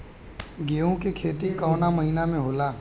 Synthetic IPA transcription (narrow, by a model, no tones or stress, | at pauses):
ɡeːõkikʰeːt̪ikɔːnaməɦinamẽɦoːlaː